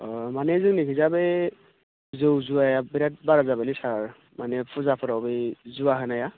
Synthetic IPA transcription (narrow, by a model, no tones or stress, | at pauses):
ɔmanɛzɯŋnikʰizabe | zɯwzuajabiɾat̚baɹazabalisaɹ | manɛpʰʊzapʰɔɾawbejzuaɦɯnaja